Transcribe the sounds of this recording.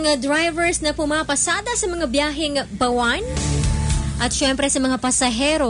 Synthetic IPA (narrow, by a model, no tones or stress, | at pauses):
ŋad̪ɾajvɛɹsnɐpʊmapɐsaːd̪ɐsɐmɐŋabjaːɦɪŋbɐwan | ʔɐt̪̚ʃɛmpɾɛsɐmɐŋapɐsɐɦɛɾo